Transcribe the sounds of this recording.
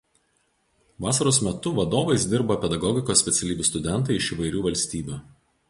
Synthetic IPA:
ʋɑːsɐɾoːsmʲɛt̪ʊʋɐd̪oːʋɐsd̪ʲɪɾbɐpʲɛd̪ɐɡɔɡʲɪkoːsʲpʲɛt̪sʲɛlʲiːbʲːst̪ʊd̪ʲɛnˑt̪ɐɪɪʃiʋɐɪɾʲuːʋɐlʲsʲt̪ʲiːbʲuː

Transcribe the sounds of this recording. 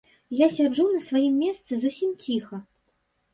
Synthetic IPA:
jasʲad͡ʐunɐsvajimːʲɛst̪sɨzusʲimt͡sʲixɐ

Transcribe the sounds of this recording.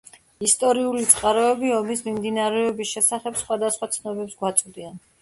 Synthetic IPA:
ist̪ʼɔɾiulit̪sʼqʼaɾɔɛbiɔmismimd̪inaɾɛɔbisʃɛsaχɛpsχwad̪asχwat̪sʰnɔbɛpsɡwat̪sʼvd̪ian

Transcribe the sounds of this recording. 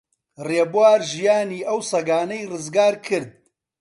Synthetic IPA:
reːbwaːɾʒijaːniːʔɐwsɐɡaːnɐjrɨzɡaːɾkʰɨɾd̪̚

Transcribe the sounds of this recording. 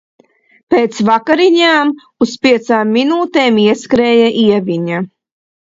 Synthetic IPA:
peːt̪svakaɾiɲaːm | uspiɛt̪saːmːinuːt̪eːmiɛskɾeːjaʔiɛvʲiɲa

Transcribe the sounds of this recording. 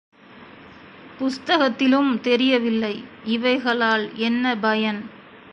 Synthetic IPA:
pʊst̪ɐɣɐt̪ːɪlɯmt̪ɛɾɪjɐʋɪlːɐɪɪʋɐɪɣɐɭaːlɛnːɐbɐjɐn

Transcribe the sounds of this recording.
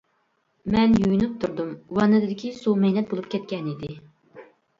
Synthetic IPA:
mɛnjujnup̚t̪ʰuɾd̪umwɑnːɨd̪ɪd̪ɪkʲʰisumɛjnɛt̪̚bolˠup̚kʲʰɛt̪̚kʲɛnid̪ɪ

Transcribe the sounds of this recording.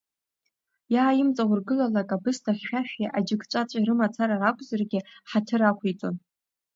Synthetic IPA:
jaːjɪmt͡sʼawʊrɡɨlalakʼabɨstʰaχʲːaʃᶣjaʔad͡ʒɪkt͡ʃʷʼat͡ʃʷʼaiɾɨmat͡sʰaɾarakʷʼzarɡʲɪħatʰɨɾaχʷʰit͡sʼo̰n

